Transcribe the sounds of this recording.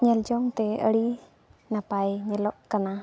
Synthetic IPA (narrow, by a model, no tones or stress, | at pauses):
ɲəld͡ʒɔŋt̪ɛə̰ɽi | napajɲəlɔʔkana